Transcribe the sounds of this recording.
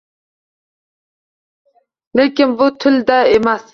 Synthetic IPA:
lekʲɪnbʊt̪ʰɪld̪æemæs

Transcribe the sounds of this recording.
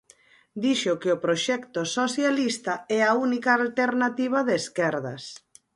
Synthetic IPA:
d̪iʃokeopɾoʃɛkt̪osoθjalist̪aɛaunikaːlt̪eɾnat̪iβ̞aðeːskɛɾðɐ̰s

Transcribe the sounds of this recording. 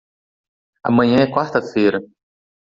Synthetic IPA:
ɐ̰mɐ̃ɲɐ̃ɛkwaɾt̪ɐfejɾɐ

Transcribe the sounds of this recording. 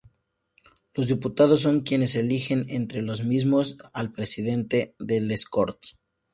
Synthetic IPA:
lo̞zðiput̪að̞o̞s̬ːo̞ŋkje̞ne̞selixe̞nent̪ɾe̞lo̞zmizmo̞salpɾe̞sið̞e̞nt̪e̞ðe̞lesko̰ɾt̪

